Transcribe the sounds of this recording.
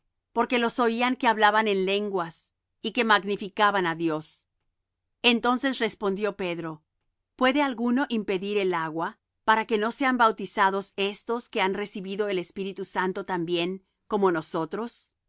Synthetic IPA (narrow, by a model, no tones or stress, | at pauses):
po̞ɾke̞lo̞so̞iaŋke̞aβlaβane̞nle̞ŋɡwas | ike̞maɣnifikaβanaðjo̞s | e̞nt̪o̞nse̞sre̞spo̞nd̪jo̞pe̞ðɾo̞ | pwe̞ðe̞alɣuno̞ʔimpe̞ðiɾe̞laɣwa | paɾake̞no̞se̞ambawt̪isaðo̞se̞st̪o̞ske̞anre̞siβiðo̞e̞le̞spiɾit̪usant̪ot̪ambje̞ŋ | ko̞mo̞no̞so̞t̪ɾo̞s